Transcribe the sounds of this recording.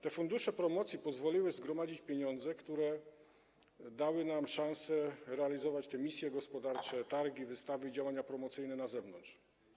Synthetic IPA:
t̪ɛfund̪uʂɛpɾɔmɔt̪sʲjipɔzvɔlʲiwɘzɡɾɔmad͡ʑit͡ɕpʲjeɲɔnd̪zɛkt̪uɾɛ | d̪awɘnamʂãñsɛɾɛalʲizɔvat͡ɕt̪ɛmʲisʲjɛɡɔspɔd̪aɾt͡ʂɛt̪aɾɡʲivɘst̪avɘid͡ʑawaɲapɾɔmɔt̪sɘjnɛnazɛvnɔntt͡ʂ

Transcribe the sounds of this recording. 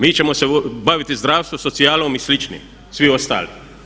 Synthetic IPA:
miːt͡ʃemosebaʋit̪izd̪ɾaːwst̪ʋosot̪sijaːlomislit͡ʃnḭm | sʋiost̪a̰ːli

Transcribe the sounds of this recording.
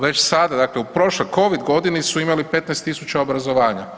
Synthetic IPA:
ʋe̞t͡ɕsad̪ad̪akleupɾo̞ʃlo̞jko̞ʋid̪ɡo̞d̪inisuimalipe̞t̪nɛjst̪isut͡ʃaobɾazo̞ʋaːɲa

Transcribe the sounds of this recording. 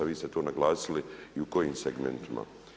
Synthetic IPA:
aʋiːst̪e̞t̪o̞ːnaɡlˠaːsiliiuko̞jiːmseɡmḛnt̪ima̰

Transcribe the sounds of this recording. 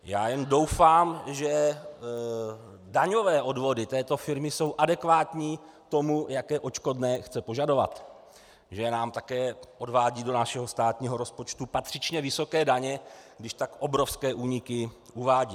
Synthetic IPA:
jaːjɛndo̞wfaːmʒɛ | daɲo̞vɛːʔo̞dvo̞dɪt̪ɛːt̪o̞fɪɾmɪso̞wʔadɛkvaːt̪ɲiː | t̪o̞mujakɛːʔo̞t͡ʃko̞dnɛːxt͡sɛpo̞ʒado̞va̰t̪ | ʒɛnaːmt̪akɛːʔo̞dvaːɟiːdo̞naʃɛɦo̞st̪aːt̪ɲiːɦo̞ɾo̞spo̞t͡ʃt̪upat̪r̥ɪt͡ʃɲɛvɪso̞kɛːdaɲɛɡdɪʃt̪akʔo̞bɾofskɛːʔuːɲɪkɪ | uvaːɟiː

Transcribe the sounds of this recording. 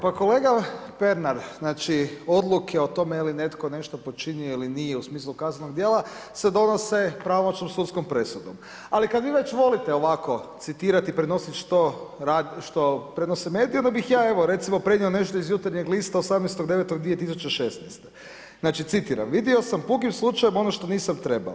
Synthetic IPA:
pako̞le̞ːɡape̞ɾnaɾznaːt͡ʃio̞d̪lˠukʰeot̪o̞meiline̞t̪ko̞ne̞ʃt̪opo̞t͡ʃinioilinijeusmiːslˠukaznenoɡd̪jeːlˠa | sed̪o̞nose̞pɾaʋomot͡ʃnomsut̪sko̞mpɾe̞sud̪om | alikad̪ʋiːʋe̞t͡ʃʋo̞lit̪eoʋako̞t̪sit̪iːɾat̪ipɾeno̞sit̪ʃt̪oɾadʃt̪opɾenosemeːd̪ijond̪abixjaːe̞ʋoɾe̞t̪simopɾe̞nio̞ne̞ʃt̪oizjut̪aɾɲeɡlist̪aosamnest̪oɡd̪e̞ʋet̪oɡd̪ʋie̞t̪is̬ut͡ʃeʃesnɛst̪e | znaːt͡ʃit̪sit̪iːɾa̰mʋid̪io̞sampukimslˠut͡ʃajemo̞noʃt̪o̞niːsamt̪ɾe̞ba̰

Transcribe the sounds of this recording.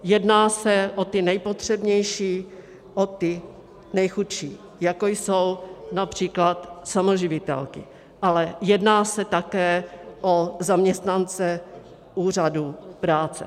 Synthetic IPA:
jɛdnaːsɛʔot̪ɪnɛjpot̪r̝̥ɛbɲɛjʃiː | ʔot̪ɪ | nɛjxutʃiː | jakojsownapr̝̥iːklat̪samoʒɪvɪt̪ɛ̰lkɪ̰ | ʔalɛjɛdnaːsɛt̪akɛːʔozamɲɛst̪nant͡sɛ | ʔuːr̝adupɾaːt͡sɛ̰

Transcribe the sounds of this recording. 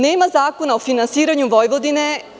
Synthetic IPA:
neːmazaːko̞naofinansiːɾaɲuʋo̞jʋod̪ine̞

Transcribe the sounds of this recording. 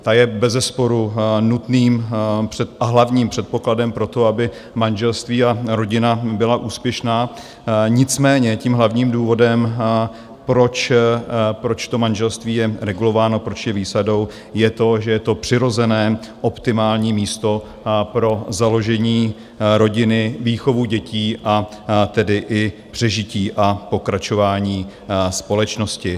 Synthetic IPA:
t̪ajɛbɛzɛspo̞ɾunut̪niːmpr̥ɛʔaɦlavɲiːmpr̥ɛt̪̚po̞kladɛmpɾo̞t̪o̞abɪ | manʒɛlst̪viːaɾo̞ɟɪnabɪlaʔuːspjɛʃnaː | ɲɪt͡smɛːɲɛciːmɦlavɲiːmduːvo̞dɛm | pɾo̞t͡ʃ | pɾo̞t͡ʃt̪o̞manʒɛlst̪viːjɛɾɛɡulo̞vaːno̞pɾo̞t͡ʃjɛviːsado̞w | jɛt̪o̞ʒɛjɛt̪o̞pr̥ɪɾo̞zɛnɛːʔo̞pt̪ɪmaːlɲiːmiːst̪o̞ | pɾo̞zalo̞ʒɛɲiː | ɾo̞ɟɪnɪviːxo̞vuɟɛciːʔa | t̪ɛdɪʔɪpr̥ɛʒɪciːʔapo̞kɾat͡ʃo̞vaːɲiː | spo̞lɛt͡ʃno̞scɪ

